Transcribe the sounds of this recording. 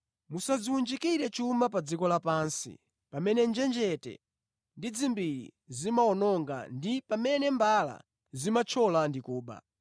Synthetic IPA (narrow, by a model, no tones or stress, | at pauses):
musaziwund͡ʒikiɾɛt͡ʃumap̬ad͡zikɔlapansḭ | pamɛnɛnd͡ʒɛnd͡ʒɛtɛ̰ | ndid͡zimbiɾḭ | zimaɔnɔŋɡa̰ndipamɛnɛmbala̰ | zimat͡ʃʰɔlandikuːɓa̰